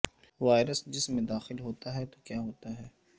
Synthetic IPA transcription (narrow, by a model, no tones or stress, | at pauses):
ʋaːɪɾəsd͡ʒɪsmẽd̪aːxɪlɦoːt̪aɦɛt̪okjaːɦoːt̪aɦɛː